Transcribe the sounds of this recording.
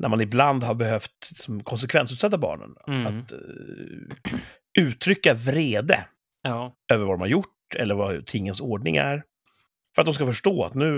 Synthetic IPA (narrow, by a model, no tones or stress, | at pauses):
nʔæɾmanɪbland̪haɾbɛɦœft̪lɪsɔmkʰɔns̬ɛkʰvɛnsʉːt̪sɛt̪ːabɑ̰ːɳə̰nat̪ | ʉ̟ːt̪ʰɾʏkːavɾeːd̪ə̰ | øːvəɾvad̪ɔmhaɾjʊʈːɛ̰lːəɾvat̪ʰɪŋːənsoːɖɳɪ̰ŋæ̰ɾ | fœɾat̪̚d̪ɔmskafœʂʈoːa̰t̪nʉ̟ː